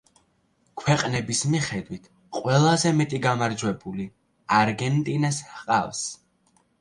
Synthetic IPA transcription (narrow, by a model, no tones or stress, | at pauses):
kʰwɛqʼnɛbismiχɛd̪wit̪ʰ | qʼwɛlˠazɛmɛt̪ʼiɡamaɾd͡ʒwɛbuli | aɾɡɛnt̪ʼinɛshqʼa̰fs